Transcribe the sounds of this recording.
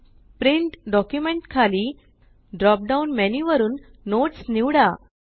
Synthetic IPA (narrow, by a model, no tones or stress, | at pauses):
pɾiɳʈɖɔkjumeɳʈkʰaliː | ɖɾɔp̚ɖaunmeniʋəɾuːnː | oʈsniʋɽa